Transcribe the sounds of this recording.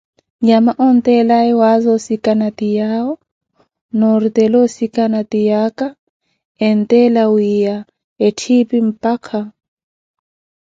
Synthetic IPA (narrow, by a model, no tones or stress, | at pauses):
ɲamaʔɔnt̪ʼɛlaɛwazɔsikʼanat̪ijaɔ | nɔɾit̪ʼɛlɔsikʼanat̪ijaka | ɛn̩t̪ʼɛlawija | etʰipim̩pʼakʰa